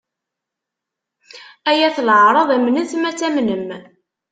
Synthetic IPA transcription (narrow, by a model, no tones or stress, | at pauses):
æjæθlʕɾˤɑðˤæmnənθmæt͡sːæmnəm